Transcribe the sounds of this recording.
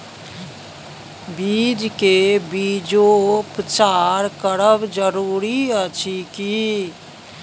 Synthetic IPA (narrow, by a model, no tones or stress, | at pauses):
biːd͡ʒkebiːd͡ʒopət͡ʃaːɾkəɽəbd͡ʒəɾuːɾiət͡ʃʰiki